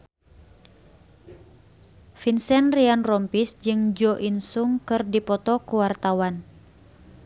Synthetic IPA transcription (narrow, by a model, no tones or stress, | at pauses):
finsɛnrianrɔmpisd͡ʒɨŋd͡ʒɔʔinsuŋkɨrdipɔt̪ɔkuwart̪awan